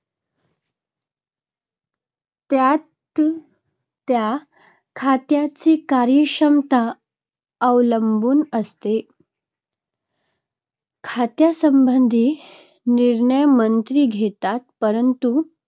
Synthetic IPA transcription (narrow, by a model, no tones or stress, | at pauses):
t̪jat̪ | t̪ja | kʰat̪jat͡siːkaɾjəɕəmt̪a | əʋləmbuːnəst̪e | kʰat̪jasəmbənd̪ʱiː | niɾɳəjmənt̪ɾiːɡʱet̪at̪̚pəɾənt̪u